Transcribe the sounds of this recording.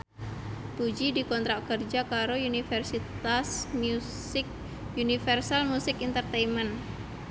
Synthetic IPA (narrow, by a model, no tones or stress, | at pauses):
pud͡ʒidikɔnt̪ɾakərd͡ʒakaɾounifɛrsit̪asmu | sɪk̚ | unifɛrsalmusɪkint̪ərt̪ɛimən